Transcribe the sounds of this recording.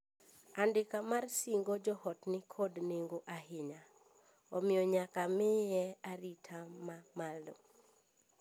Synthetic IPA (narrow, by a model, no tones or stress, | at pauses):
andɪkamarsiŋɡod͡ʒɔhɔtnɪkʰodneŋɡoʔaɦɪɲa | ɔmɪjɔɲakamɪjɛaɾitʰamamalo̰